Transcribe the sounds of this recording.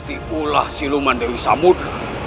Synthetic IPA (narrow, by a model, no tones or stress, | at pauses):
t̪iula̰hsilumandewisamut̪